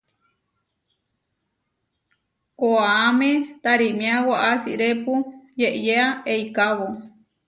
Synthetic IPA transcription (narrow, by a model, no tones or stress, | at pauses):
koaːmet̪aɾimĩawaʔasḭʔɾepujeʔjeaejkaβo